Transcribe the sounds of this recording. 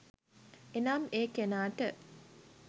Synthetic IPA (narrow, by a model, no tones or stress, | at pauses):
enaːmeːkenaːʈə